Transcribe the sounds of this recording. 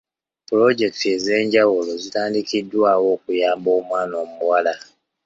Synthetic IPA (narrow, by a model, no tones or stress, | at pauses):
pulo̞ɟe̞ktie̞ze̞ːɲɟawulo̞zitaːndikidːwaːwo̞ːkujaːmbo̞ːmwaːno̞ːmuuwala